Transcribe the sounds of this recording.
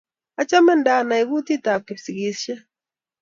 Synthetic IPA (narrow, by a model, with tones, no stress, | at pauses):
a˨t͡ʃa˦mɛ˦nda˨na˨i˨ɡu˦ti˦ta˨p̚ke˨psi˨ɡi˨sʃɛ˦